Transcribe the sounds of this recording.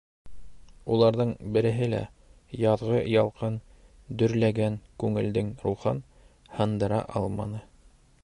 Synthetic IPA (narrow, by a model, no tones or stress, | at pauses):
ulˠɑɾðɤɴbɘ̆ɾɘ̆ɦɘlæ̰ | jɑðʁɤjɑlˠqɤn | d̪ɵ̆ɾlæɡæŋkʉŋɘ̆ld̪ɘŋɾulˠχɑn | hɤ̆nd̪ɤ̆ɾɑ̰ʔɑlˠmɑnɤ